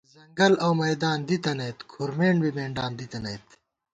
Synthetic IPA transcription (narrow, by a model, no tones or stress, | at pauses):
zɐŋɡɐlɐwmɐjd̪aːnd̪it̪ɐnɐjt̪kʰuɾmeːɳbibeːɳɖaːnd̪it̪ɐnɐjt̪